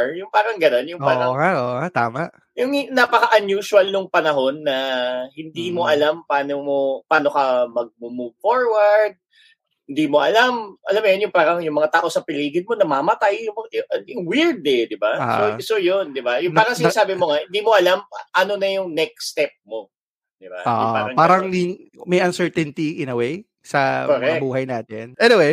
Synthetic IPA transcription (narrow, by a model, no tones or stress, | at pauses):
jʊŋpaːɾɐŋɡɐno̞njʊŋpaːɾɐŋŋaoat̪aːmaʔ | jʊŋnapɐkɐʔɐnjuːʃʊɐlnʊŋpɐnɐɦo̞nːɐhɪnd̪iːmo̞ʔɐlampaːnomopaːno̞kɐmɐɡ̚mʊmufoɹwɐɹd̪̚ | hɪnd̪iːmo̞ʔɐlamʔɐlamːjonjʊŋpaːɾɐŋjʊŋmɐŋat̪aːʔo̞sɐpɪliːɡɪn̚mo̞nɐmamɐt̪ajɐɐɪŋwiɹd̪ɛd̪ɪba̰sosojond̪ɪbajʊŋpaːɾɐŋsɪnɐsaːbɪmoŋɐhɪnd̪iːmoʔɐlamʔɐno̞nɐjʊŋnɛk̚st̪ɛp̚mo̞ | d̪ɪba̰jo̰ʊ̰paːɾɐŋpaːɾɐŋd̪imɐjʔɐnsɛɹt̪ɛnt̪iɪnɐwej | sɐoɾɛbuːɦɐjnaːt̪ɪnʔɛniwej